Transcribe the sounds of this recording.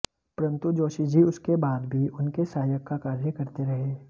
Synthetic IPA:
pɐɾə̃nt̪ud͡ʒoːʃid͡ʒiʊskebaːd̪bʱiʔʊnkesaːjəkːakaːɾjəkɐɾt̪eɾɐɦeː

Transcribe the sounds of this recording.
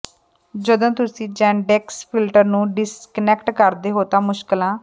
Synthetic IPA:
d͡ʒəd̪õːt̪ʊsĩːd͡ʒɛ̃ːɳɖɛːkspʰɪlʈəɾnũːɖɪskənɛkʈkəɾd̪eːɦoːt̪aːmʊʃkəlãː

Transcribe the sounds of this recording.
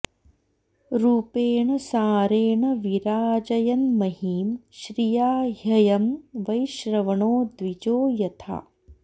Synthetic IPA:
ɾuːpeːɳɐsaːɾeːɳɐʋiɾaːd͡ʒɐjɐnmɐɦiːmʃɾijaːɦɐjɐmʋɐjʃɾɐʋɐɳoːd̪ʋid͡ʒoːjɐt̪ʰa̰ː

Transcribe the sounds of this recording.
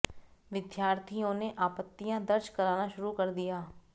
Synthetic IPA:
ʋɪd̪jaːɾt̪ʰijõneʔaːpət̪ːijãd̪ɐɾʃkɐɾaːnaʃʊɾukɐɾd̪ijaː

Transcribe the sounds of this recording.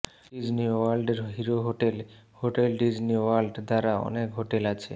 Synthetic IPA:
ɖid͡ʑniwaɾlɖeɾɦiɾoɦoʈel | hoʈelɖid͡ʑniwalɖd̪aɾaɔ̰nekɦoʈelat͡ɕʰḛ

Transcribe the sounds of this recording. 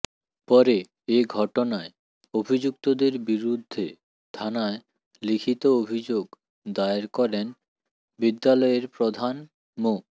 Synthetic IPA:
pɔɾe | eɡʱɔʈonae | obʱid͡ʑukt̪od̪eɾbiɾud̪ʱːe | t̪ʰanae | likʰit̪oobʱid͡ʑoɡ | d̪aeɾkɔɾen | bid̪ːalɔeɾpɾod̪ʱan | mo

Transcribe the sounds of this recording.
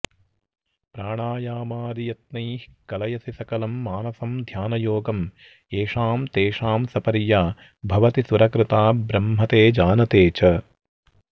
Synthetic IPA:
pɾaːɳaːjaːmaːɾijɐt̪̚nɐjhkɐlɐjɐsisɐkɐlɐmːaːnɐsɐmd̪ʱjaːnɐjoːɡɐm | eːʂaːmt̪eːʂaːmsɐpɐɾjaː | bʱɐʋɐt̪isuɾɐkɾɪt̪aːbɾɐmɦɐt̪eːd͡ʒaːnɐt̪eːt͡ʃɐ

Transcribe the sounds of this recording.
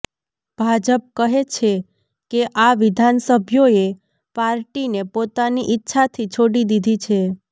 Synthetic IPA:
b̥ʱad͡ʒəp̚kəɦet͡ʃʰe | keʔaʋɪd̪ʱansəbʱjoe | paɾʈinepot̪aniʔɪtːʃʰat̪ʰit͡ʃʰoɽid̪id̪ʱit͡ʃʰe

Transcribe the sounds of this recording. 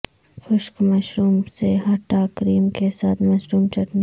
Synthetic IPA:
xʊʃkmɐʃɾuːmseɦɐʈaːkɾiːmkesaːt̪ʰmɐʃɾuːmt͡ʃɐʈne

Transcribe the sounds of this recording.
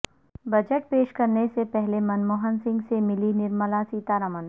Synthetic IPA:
bɐd͡ʒəʈ̚peːʃkɐɾnesepɛɦlemɐnmoːɦənsɪ̃ŋɡsemɪlinɪɾməlasiːt̪aɾɐmən

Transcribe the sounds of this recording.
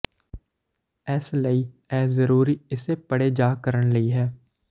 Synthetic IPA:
ɛːsləiː | ɛːzəɾuːɾiɪsepəɽed͡ʒaːkəɾəɳləiːɦɛː

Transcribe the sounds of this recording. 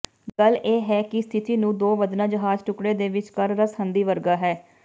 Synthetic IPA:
ɡəleːɦɛːkɪst̪ʰɪt̪iːnũːd̪oːʋəd̪nãːd͡ʒəɦaːzʈʊkɽeːd̪eːʋɪt͡ʃkəɾɾəshənd̪iːʋəɾɡaːɦɛː

